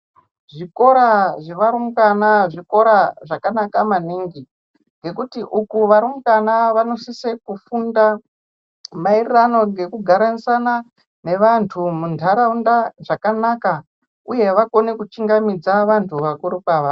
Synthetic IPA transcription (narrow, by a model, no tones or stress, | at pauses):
ʐiko̞ɾaʐeʋaɾumukanaʐiko̞ɾaʐakanakamaniːŋɡi | ŋɡe̞kutiʔukuʋaɾumukanaʋano̞sisekufunda | mairirano̞ŋɡe̞kuɡʱaɾanisana | ne̞ʋantʰumundʰʱaɾaundaʐakanaka | uje̞ʋako̞nekut͡ʃiŋɡamid͡zaʋantʰuʋakuɾukaʋa